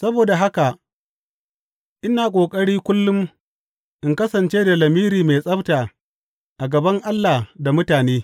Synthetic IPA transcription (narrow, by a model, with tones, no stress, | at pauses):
sɐ˦boː˨da˨ɦa˦ka˨ | ʔɪ˦naː˨kʷʼoː˨kʼɐ˦ɽiː˦kʷʊ˦lːʊ˦m | ʔɪ˨ŋkɐ˦sɐ˨nt͡ʃeː˦da˨lɐ˨miː˦ɾiː˨me˨sʼɐ˦btaː˨ | ʔa˨ɡɐ˨bɐ˦ŋʔa˦lːaː˨da˨mʊ˦taː˨neː˦